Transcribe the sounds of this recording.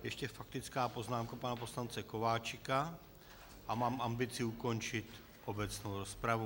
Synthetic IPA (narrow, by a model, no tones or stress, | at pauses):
jɛʃcɛfakt̪ɪt͡skaːpo̞znaːmkapanapo̞slant͡sɛko̞vaːt͡ʃɪka | ʔamaːmʔambɪt͡sɪuko̞nt͡ʃɪt̪ | ʔobɛt͡snowɾo̞spɾavu